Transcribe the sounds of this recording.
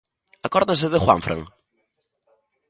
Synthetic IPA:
ɐkɔɾðɐs̬ɨðɨχwã̰ɱfɾʔɐ̰̃ŋ

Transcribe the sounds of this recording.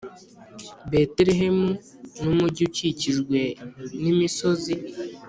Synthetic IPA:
beteɾeɦemu | numuɟuciciʒɡwe̞nimiso̞zi

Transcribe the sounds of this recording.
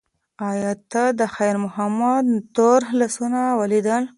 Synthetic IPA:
ɑjɑt̪ad̪əxajɾmʊhamad̪t̪oɾɦlasunawalid̪əl

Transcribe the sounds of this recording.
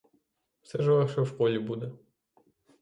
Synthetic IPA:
wsɛʒɛʋɛxʃɛwkɔlʲibud̪ɛ

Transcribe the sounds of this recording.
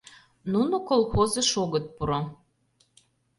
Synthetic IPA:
nunokolˠxozə̆ʃoɣət̪̚puɾo

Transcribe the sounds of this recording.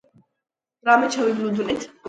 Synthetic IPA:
ɾamɛt͡ʃʰɛwiblud̪unɛt̪ʰ

